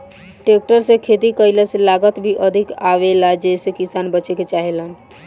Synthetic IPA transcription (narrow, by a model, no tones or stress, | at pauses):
ʈek̚ʈəɾsẽkʰet̪ikəjləselaɡət̪bʱiʔəd̪ʱikaʋelad͡ʒesekisanbət͡ʃeket͡ʃaɦelən